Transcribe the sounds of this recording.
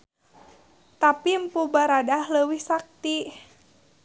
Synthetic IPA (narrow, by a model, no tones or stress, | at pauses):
t̪apimpubaɾadahləwihsak̚t̪i